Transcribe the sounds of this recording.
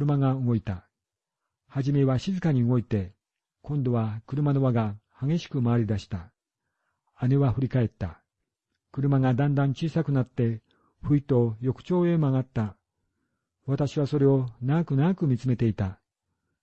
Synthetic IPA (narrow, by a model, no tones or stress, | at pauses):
ɾɯmaɡaɯɡo̞it̪a | haʑime̞βaɕizɨkaɲ̟iɯɡo̞it̪e̞ | kõ̞nd̪o̞βakɯ̟ɾɯ̟mano̞βaɡahaɡe̞ɕi̥kɯ̟maaɾʲid̪aɕi̥t̪a | ane̞βaɸɯ̟ɾʲikae̞t̪ːa | kɯ̟ɾɯ̟maŋad̪ãnd̪ãɲ̟t͡ɕiːsakɯ̟nat̪ːe̞ | ɸɯ̟it̪o̞jo̞kɯ̟̥t͡ɕo̞ːe̞maŋat̪ːa | βat̪aɕiβaso̞ɾe̞o̞naɡakɯ̟naakɯ̟mʲit͡sɨme̞t̪e̞it̪a